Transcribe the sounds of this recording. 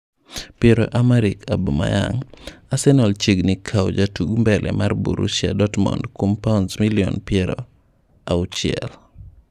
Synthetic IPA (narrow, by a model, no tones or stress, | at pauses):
pjɛɾo̰ʔamaɾikʰabuma̰ja̰ŋasɛnɔlt͡ʃeɡnikʰawd͡ʒatuɡmbɛlʔɛ̰mʔarbṵɾṵsja̰dɔtmɔ̰ndkompansmiliɔ̰npjɛɾɔ | aʊt͡ʃɪɛl